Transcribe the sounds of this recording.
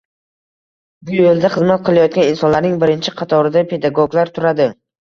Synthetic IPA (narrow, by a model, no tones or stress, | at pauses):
bʊjolˠd̪aχɨzmat̪̚qʰɨlˠajɒt̪̚kʲanɪnsɒnlaɾnɪŋbɪɾɪnt͡ʃʰɪqʰɑt̪ʰɒɾɪd̪apʰe̞d̪aɡoɡlaɾt̪ʰʊɾad̪ɪ